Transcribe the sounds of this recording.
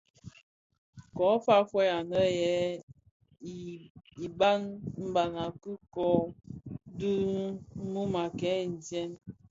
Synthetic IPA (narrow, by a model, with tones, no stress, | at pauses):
kɔ˨˦fa˦fwɛ˦a˨nə˦jɛ˨˦˨ | i˨ba˦nm̩˦ba˨na˨ku˦kɔ˨˦ | du˦mu˦ma˨kɛ˨˦˨n̩˨djɛ˦n